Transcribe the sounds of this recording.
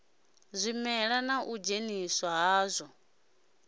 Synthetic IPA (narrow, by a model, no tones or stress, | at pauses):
zʷimɛɺanaʔud͡ʒenisɔɦaːzʷɔ